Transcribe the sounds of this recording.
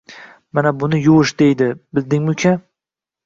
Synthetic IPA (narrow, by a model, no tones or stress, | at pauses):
manabʊnɪjʊʃd̪ejd̪ɪbɪld̪ɪŋmʊkʲʰa